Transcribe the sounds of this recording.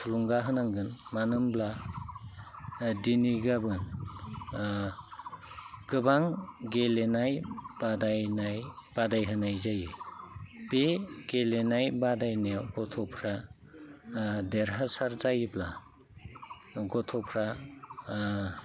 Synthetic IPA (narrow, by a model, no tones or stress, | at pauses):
tʰuluŋɡaɦɯnaŋɡɯnmanɯmbla | diniɡabɯn | ɡɯbaŋɡelenajb̥adajnajb̥adajɦɯnajzajɯ | b̥eɡ̥elenajbadajnawɡɔtʰɔpʰɾa | deɾɦasaɾzajibla̰ | ɡɔtʰɔpʰɾa